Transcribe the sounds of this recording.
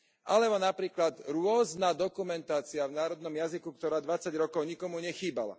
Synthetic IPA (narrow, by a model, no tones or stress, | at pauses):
ʔalɛbɔnapɾiːklad̪ɾʊɔznaːd̪ɔkumɛnt̪aːt͡siavnaːɾɔd̪nɔmjazikuk̚t̪ɔɾaːd̪ʋat͡sːaɟɾɔkɔʊɲikɔmuɲɛxiːbala̰